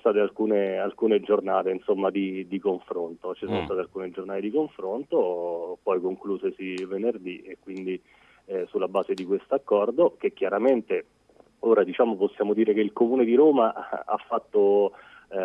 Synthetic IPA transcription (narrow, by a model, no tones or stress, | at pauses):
st̪aːt̪ealkuːnealkuːned͡ʒornaːt̪einsomːad̪id̪ikoɱfɾont̪ot͡ʃisoːnost̪aːt̪ealkuːned͡ʒornaːt̪ed̪ikoɱfɾont̪opɔjkoŋkluːzesivenerd̪iekːwind̪i | sulːabaːzed̪ikwest̪oakːɔrd̪ok̟ek̟ːjaɾament̪e | oːɾad̪it͡ʃaːmoposːjaːmod̪iːɾek̟eilkomuːned̪iɾoːmaa̰fːat̪ːo